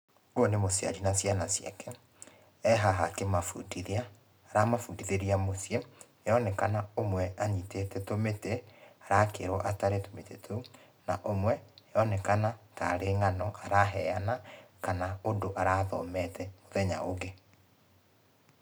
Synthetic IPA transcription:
oonemosja̰ɾinasjanasja̰kɛ | ɛɦaɦakemafudiðiaː | ɾamafudiðeɾiamosje | jɔnɛkanaomwɛaɲitetɛtometeaɾakḛɾɔʔataɾetometetʰou | na̰ʔomwɛjɔnɛkanataɾeŋanɔʔaɾaɦɛanakanaodoʔaɾaðɔ̰mɛtʰɛmoðɛɲa̰oɡe

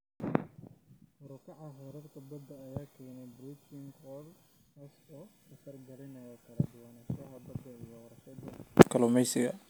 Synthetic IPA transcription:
mʊɾʊkʰɑʕɑɦɔɾɐrkʰɐbɐd̪ːɐːjaːkʰɛːnɛjbrit͡ʃɪŋɡɔːl | kɐsɔːkʰɐsɐrɡɐlɪnɐjɔkʰɐlɐd̪ʊwɐnɛʃɐɦɐbɐd̪ːɐijɔːɾɐʃɐd̪ɐkʰɐlʊmɛjsɪɣɐ̰

